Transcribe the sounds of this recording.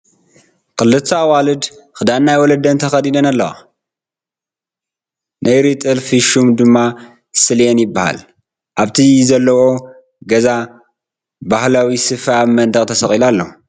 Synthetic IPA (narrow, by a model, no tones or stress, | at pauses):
kʰɨlːɨt̪ʰːawalɨd̪xɨd̪annːajwɔlɐd̪ɐnt̪ʰɐxɐd̪id̪ɐnalːɐwa̰ | nʔajɾit̪ʼɨlfiʃumd̪ɨmːa | sɨljenjɪbːaha̰l | ʔaβt̪ʰizɐlːɐwo̞ | ɡɐza | bahlawisɨfamɐnd̪ɐkʼt̪ʰɐsɐχʼilalːo̰